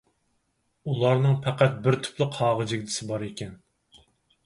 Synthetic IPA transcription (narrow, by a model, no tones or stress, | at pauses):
ulˠɑɾnɨŋpʰæqæt̪̚bɪɾt̪ʰy̥plɪqhɑːʁəd͡ʒɪɡʲd̪ɪsɪbɑɾekʲʰɛn